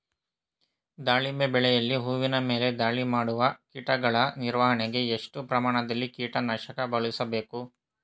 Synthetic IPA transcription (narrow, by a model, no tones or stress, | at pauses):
d̪aːɭimbebɛɭɛjɐlːiɦuːʋinɐme̞ːle̞d̪aːɭimaːɽuʋɐkiːʈɐɡɐɭɐniɾʋaːɦɐɳeɡe̞eʂʈupɾɐmaːɳɐd̪ɐlːikiːʈɐnɐʃɐkɐbɐɭisɐbe̞ːku